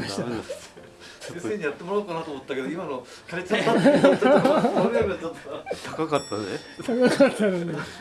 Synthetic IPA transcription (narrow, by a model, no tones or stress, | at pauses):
asɕt̪a | sẽsseːɲ̟ijat̪ːe̞moɾaokanat̪oːmot̪ːake̞d̪oimano | kaɾet͡sa | ɾomʲet͡ɕot̪ːot̪ʰakakat̪ːane | t̪ʰakakat̪ʰːanon